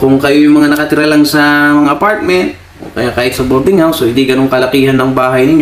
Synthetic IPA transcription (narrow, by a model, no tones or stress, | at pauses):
kʊŋkɐjojŋmɐŋanɐkɐt̪ɪɾalaŋsɐɐŋaʔɐpaɹt̪̚mɛnt̪̚ | ʔo̰kɐjakaːhɪt̪̚sɐboɾd̪ɪŋhawsohɪ̃nd̪iɡɐnoŋkɐlɐkiːhɐnːɐŋbaːɦɐjnɪɲ